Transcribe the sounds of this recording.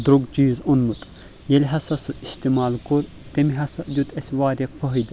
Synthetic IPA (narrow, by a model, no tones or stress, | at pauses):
d̪ɾuɡd͡ʒiːzunmut̪ʼ | jelʲɦɐsɐsɨist̪imaːlkoɾ | t̪emiɦɐsɐd̪ʲut̪ʰɐsʲʋaːɾʲɐfʰɐɦɨjd̪